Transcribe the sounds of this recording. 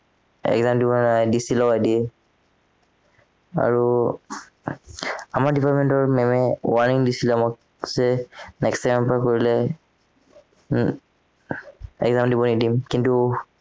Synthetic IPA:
ɛ̰ɡzamdibɔnajdisilɔajdiɛ | a̰ɹu | amaɹdipʰaɹtmɛntɔɹmɛmɛwaɹniŋdisilɔmɔk | z̥ɛnɛkstamɛmpkoɹilɛ | ɛ̰kɡzamdibɔnidimkintu

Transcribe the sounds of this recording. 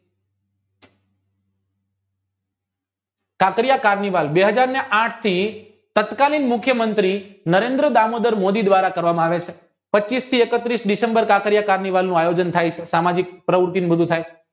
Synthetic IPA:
kakɾijakaɾniʋalbeɦəd͡ʒaɾneʔãʈʰt̪ʰi | t̪ət̪kalinmʊkʰjəmənt̪ɾinəɾend̪ɾəd̪amod̪əɾmod̪id̪ʋaɾakəɾʋamãaʋet͡ʃʰe | pətːt͡ʃist̪ʰiekət̪ɾisɖisembəɾkakɾijakaɾniʋalnũajod͡ʒənt̪ʰajt͡ʃʰesamad͡ʒik̚pɾəʋɾʊt̪inbəd̪ʱũt̪ʰaj

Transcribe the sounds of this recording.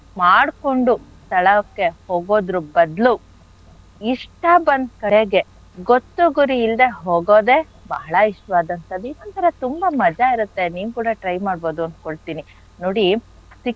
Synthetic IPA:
maːɽko̞ɳɖust̪ɐɭɐkːe̞hoːɡo̞ːd̪ɾubɐd̪lu | iʂʈɐbɐnd̪kɐɽeɡe̞ | ɡot̪ːuɡuɾiːld̪e̞ɦoːɡo̞ːd̪e̞ | bɐɦɐɭɐiʂʈʋaːd̪ɐnt̪ɐd̪inɐnt̪ɐɾɐt̪umbɐmɐd͡ʒɐiɾut̪ːe̞niːʋkuːɽɐʈɾɐjmaːɽbo̞ːd̪uɐnd̪koɭt̪iːni | noːɽi | si

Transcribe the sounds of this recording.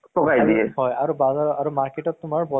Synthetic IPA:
tɔkajdiɛhɔjaɹubazaaɹumaɹketɔtːʊmaɹbɔ

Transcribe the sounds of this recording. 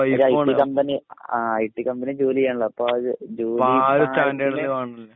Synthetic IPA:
iɐɾɐjʈːikɐmbɐniaːɐjʈːikɐmbɐnid͡ʑuːlijaːɳɭːɐɐpːoːɐðɨd͡ʑuːliɾuaːndeiɽɐeʋaːɳlːe

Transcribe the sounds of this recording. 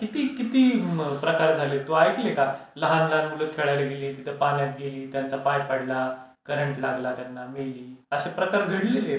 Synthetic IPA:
kit̪iːkit̪iːpɾəkaɾd͡zʱalet̪oajk̪leka | ləɦanlamuləkʰeɭajleɡeleːt̪it̪ʰəpanjat̪ɡeliːt̪jant͡sapajpaɽla | kəɾəɳʈlaɡlat̪janːameɭliːəɕepɾəkaɾɡʱəɽilele

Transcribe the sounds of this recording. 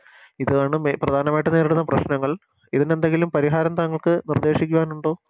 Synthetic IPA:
iðɐaːɳɨmprɐd̪ʱaːnɐmaːjiʈːɨne̞ːɾiɽunːɐprɐɕnɐŋːɐɭ | iðine̞nd̪e̞ŋɡilumpɐɾiɦaːɾɐmt̪ɐŋːɐɭkɨnird̪e̞ːʂikʲːuʋaːnuɳɖoː

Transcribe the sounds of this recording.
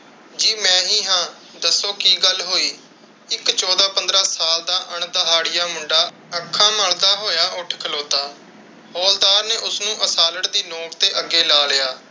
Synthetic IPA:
d͡ʒiːmɛ̃ːɦiːɦãː | d̪əsːoːkiːɡəlɦoːiː | ɪkt͡ʃɔːd̪aːpənd̪ɾaːsaːld̪aːʔəɳd̪əɦaːɽɪjaːmʊɳɖaː | əkʰːaːməld̪aːɦoːjaːʔʊʈʰkʰəloːt̪aː | hɔːld̪aːɾneːʔʊsnũːʔəsaːləʈd̪iːnoːkt̪eːʔəɡːeːlaːlɪjaː

